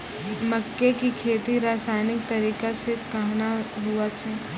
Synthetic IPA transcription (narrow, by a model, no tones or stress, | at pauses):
mɐkːekikʰeːt̪iɾaːsaːɪnɪk̚t̪ɐɾiːkasekɐɦnaɦuat͡ʃʰɛː